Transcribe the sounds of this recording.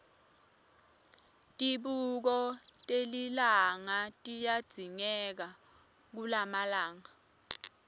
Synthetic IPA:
tʼiɓuk̬ɔtʼelilaŋatʼijad̥z̥ʱiŋɛk̬a | k̬ulamalaːŋa

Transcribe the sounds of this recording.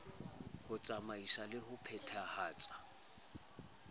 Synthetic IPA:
hʊt͡sʼamaisalɪhʊpʰɛtʰahaːt͡sʼḁ

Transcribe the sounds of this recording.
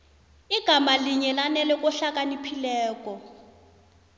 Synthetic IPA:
iɡ̥ʱamaliɲɛlanɛlɛkʼɔɬakʼanipʰilɛːkʼɔ

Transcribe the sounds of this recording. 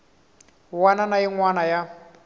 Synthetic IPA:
wananaiŋwanaja

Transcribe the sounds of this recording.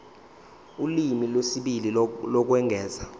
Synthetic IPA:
ulimilwesiɓililɔk̬wɛŋʱɛːza

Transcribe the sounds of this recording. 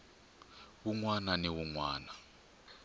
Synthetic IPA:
wuŋwananiwuŋwaːna

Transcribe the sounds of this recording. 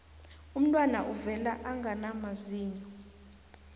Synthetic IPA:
um̩tʼwanaʔuvɛlaʔaŋɡʱanamaziːɲɔ

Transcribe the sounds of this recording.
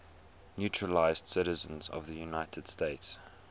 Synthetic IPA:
njutɹəlaɪzd̥sɪɾɪzə̃nzɔ̰vðəjunaɪtʰəd̥steɪts

